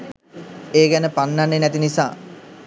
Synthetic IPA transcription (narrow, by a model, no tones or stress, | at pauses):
eːɡænəpanːanːenɛt̪inisa̰ː